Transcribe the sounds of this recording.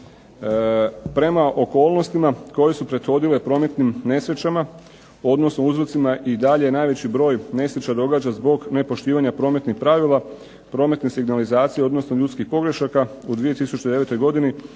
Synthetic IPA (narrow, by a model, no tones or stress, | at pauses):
pɾe̞maʔo̞ko̞ːlˠno̞st̪imako̞je̞supɾe̞d̪xo̞d̪ile̞pɾo̞ːme̞t̪nimne̞sɾet͡ɕama | o̞d̪no̞snouzɾot̪simaʔid̪aʎejenaːjʋe̞t͡ɕibɾo̞ːjne̞sɾet͡ɕad̪o̞ɡad͡ʑazbo̞ɡne̞po̞ʃt̪iːʋaɲapɾo̞ːme̞t̪nixpɾaʋilˠa | pɾo̞ːme̞t̪nesiɡnalizaːt̪sijeo̞d̪no̞snoʎut̪skixpo̞ɡɾe̞ʃakaud̪ʋie̞t̪isut͡ɕed̪e̞ʋet̪o̞jɡo̞d̪ini